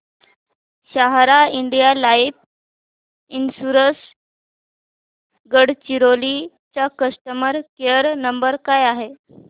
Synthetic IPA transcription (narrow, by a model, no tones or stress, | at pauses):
ɕaɦɾaiɳɖijalaip̚ | insuɾəs | ɡəɽt͡ɕiɾoli | t͡ɕakəsʈəməɾkeəɾnəmbəɾkajaɦe